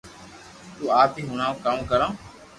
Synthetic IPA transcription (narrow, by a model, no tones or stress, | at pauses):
t̪uːaːpiːɦʊɳãːkamkəɾãː